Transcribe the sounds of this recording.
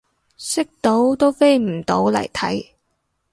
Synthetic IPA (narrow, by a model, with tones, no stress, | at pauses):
sɪ˥k̚t̪o˨˥wt̪o˥wfe˥jm̩˨˩t̪o˨˥wlɐ̰˨˩jt̪ʰɐ̰˨˥j